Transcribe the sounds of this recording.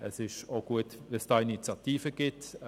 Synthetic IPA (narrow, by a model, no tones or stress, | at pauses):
əsɪʃoɡ̥uətvɛsd̥ɑːinit͡sjɑtiːfəɡ̥ɪt